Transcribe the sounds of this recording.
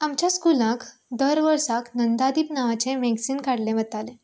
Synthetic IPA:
amt͡ɕjaskulãkd̪əɾʋəɾsaknənd̪ad̪iːpnaʋat͡semeɡsiːnkaɽlẽʋət̪ale

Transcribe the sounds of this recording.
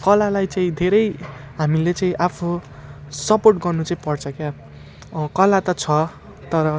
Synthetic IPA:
kʌlalajt͡saĩd̪ʱeɾʌjɦamilet͡saĩʔapʰu | sʌporʈɡʌrnut͡saĩpʌrt͡sʰʌkja | kʌlat̪ʌt͡sʰʌ | t̪ʌɾʌ

